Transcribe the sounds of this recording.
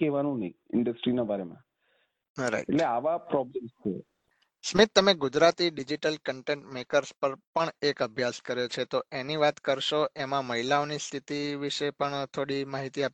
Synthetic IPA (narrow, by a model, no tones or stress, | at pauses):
keʋanũnəiɪ̰ɳɖəsʈɾinabʱaɾemã̰ | ɾa̰iʈḛʈleaʋapɾɔblemt͡ʃʰḛ | smit̪ːəmeɡʊd͡ʒɾat̪iɖid͡ʒiʈəlkəɳʈẽɳʈmekəɾspəɾpəɳekəbʱjaskəɾjot͡ʃʰet̪oeniʋat̪kəɾʃoemãməɦilaonist̪ʰit̪iʋiʃepəɳt̪ʰoɽimaɦit̪iapi